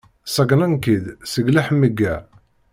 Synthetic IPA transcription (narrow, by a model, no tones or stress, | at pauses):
sɑɡnɑnkid̪səɡlæħmːəɡːæ